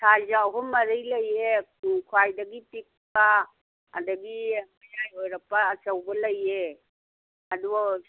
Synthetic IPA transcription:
sʰajzaɦɔmːɐɾijlɐjekʰwajdɐɡipik̚pa̰ː | dɐɡimajajojɾɐpɐːsɐwbɐlɐje | ɐdu

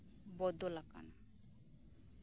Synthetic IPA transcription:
bɔd̪ɔlaka̰na

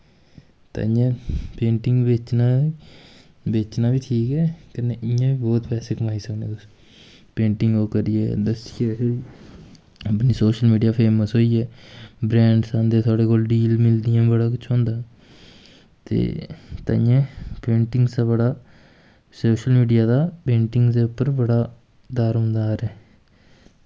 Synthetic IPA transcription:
t̪a̰ːjãːpẽːɳʈɪŋɡʋɪt͡ʃnaː | beːt͡ʃnaːbiːʈʰiːkɛːkəneːʔɪjãːʋiːbɔːt̪pɛːseːkəmaːiːsəknḛ̃ːt̪ʊs | pẽːɳʈɪ̃ŋɡoːkəɾiḛːd̪əsɪeːɦoɾiː | əpniːsoːʃəlmiːɖijaːpʰeːməsɦoːiːɛːbɾɛ̃ːɳɖsãːnd̪eːt̪ʰaːɽeːkoːlɖiːlmɪld̪ɪjãːbəɽaːkʊt͡ʃʰɦõːnd̪aː | t̪ḛːt̪a̰ɪjãːpẽːɳʈɪŋɡst̪aːbəɽaː | soːʃəlmiːɖijaːd̪aːpẽːɳʈɪŋɡd̪eːʊpːəɾbəɽaː | d̪aːɾɦʊ̃ːnd̪aːɾɛː

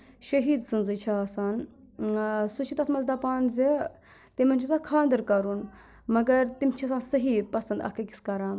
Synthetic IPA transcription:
ʃɐɦiːd̪sɨnzɨt͡ʃʰasaːn | sut͡ʃʰit̪ɐsʰmɐzd̪ɐpaːnzi | t̪imɐnʲt͡ʃʰisakʰãːnd̪ɐɾkɐɾun | mɐɡɐɾt̪imt͡ʃʰisãːnsɐɦipɐsɐnd̪ɐ̰kɐki̥skɐɾaːn

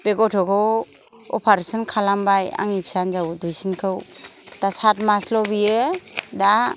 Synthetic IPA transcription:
b̥eɡɔtʰɔkʰɔ | ɔ̰pʰaɾesɔnkʰalambaja̰ŋipʰsand͡ʒawdujsinkʰɯwd̥asatmaslɔbijɯda

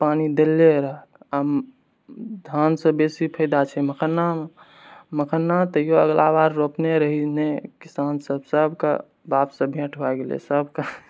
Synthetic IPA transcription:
panid̪elːeɾəɦəam | d̪ʱansə̃besipʰəd̪at͡ʃʰɛməkʰənːa | məkʰənːat̪əjoəɡlabaɾːopneɾəɦinekisansəbsəbʱka̰ | bapsə̃bʱẽʈʰbaɡelḛsəbʱka

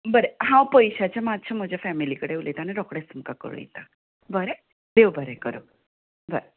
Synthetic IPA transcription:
bəɾeɦãwpəjɕat͡ɕamat̪t͡ɕʰam̤əd͡ʑjafɛmilikəɽeulet̪aneɾɔkɽesəmkakə̰ɾ̰jḭt̪a | bəɾe | d̪eʋbəɾekəɾo̰ | bəɾe

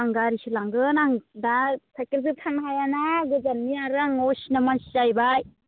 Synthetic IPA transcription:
aŋɡaɾisilaŋɡɯnaŋdapʰakiɾzɯtʰanɦajanaɡɯzanmiaɾaŋɔsinamansizajbaj

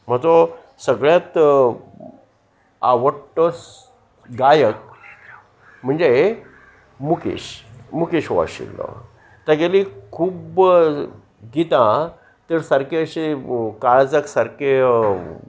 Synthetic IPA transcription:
m̤ət̪ɔ | səɡɭjat̪ | a̰ʋəʈːɔs | ɡajək̚ | m̤əɳd͡ze | mukḭɕmukeɕoʋa̰ɕḭlːɔ̰ | t̪aɡelikʰuːb | ɡit̪ã | t̪əɾsəɾkeəɕikaɭd͡zəksaɾke

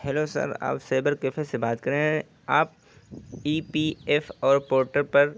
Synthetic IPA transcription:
ɦɛlosɐ̰ɾa̰ːpseːbəɾkɪfesebaːt̪kɐɾẽɦɛ̃ | aːp̚ | iːpiːeːfɔːɾpoːɾʈəɾpɐɾ

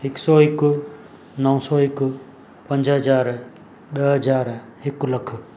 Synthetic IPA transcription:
ɪksɔːɦɪk | nɐʊ̃sɔːɦɪkʊ | pɐ̃ɲd͡ʒɦɐd͡ʒaːɾ | ɗɐɦɐd͡ʒaːɾ | ɦɪklɐkʰ

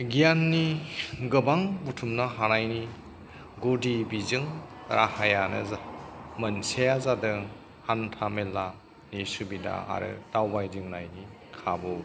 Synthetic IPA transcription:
ɡijanːiɡɯbaŋbutʰumnaɦanajni | ɡodibizɯŋɾʔahajanɯ̰zmɐnsejazadɯ | hantʰamelːa | nisubida̰a̰ɾɯ̰d̥awbajdɯŋnajni | kʰabɔ

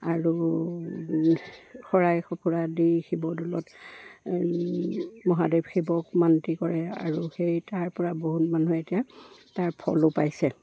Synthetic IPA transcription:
aɹu | xɔɹajxɔpʰuɹadixibɔdɔlɔt | mɔɦadebʱxʰibɔkmantikɔɹɛa̰ɹuxejtaɹpɔɹaboɦutmanuetijataɹpʰɔ̰lʊpajsɛ

